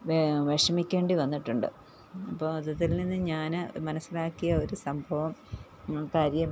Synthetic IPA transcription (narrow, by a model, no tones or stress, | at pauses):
ʋeʋeʂɐmikʲːe̞ːɳɖiʋɐnːiʈːuɳɖɨ̰ | ɐpːoːɐd̪ɐt̪ːilninːɨɲaːnɨmɐnɐsːilaːkːijɐo̞ɾusɐmbʱɐʋɐm | ɭkaːɾjɐm